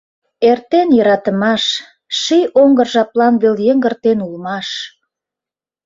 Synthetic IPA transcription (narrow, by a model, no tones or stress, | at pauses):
ert̪enjəɾɑt̪əmɑʃ | ʃijoŋɡərʒɑplɑnβeljəŋɡə̆rt̪enulmɑʃ